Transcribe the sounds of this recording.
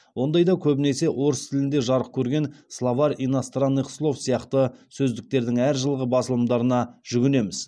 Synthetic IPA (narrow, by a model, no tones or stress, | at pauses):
wo̞nd̪ɑjd̪ɑkʲʰɵbɪne̞se̞ʔo̞ɾəst̪ʰɪlɪnd̪e̞ʒɑɾəq̚kʲʰɵɾɡʲe̞nslˠavɑɾinast̪ranːiqslˠo̞fsijɑqt̪əsɵzd̪ɪk̚t̪e̞ɾd̪ɪŋæɾʒəlˠəʁəbɑsəlˠəmd̪ɑɾənɑʒ̥ʏɡʲɪne̞mɪz̥